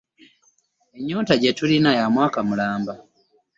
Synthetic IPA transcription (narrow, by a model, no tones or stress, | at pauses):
eɲːoːtaɟetulinajamwaːkamulaːmba